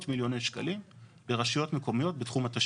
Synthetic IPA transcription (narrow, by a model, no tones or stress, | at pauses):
tmiljo̞nejʃka̰limbeʁaʃijo̞tme̞ko̞mijo̞t̚betχumhataʃ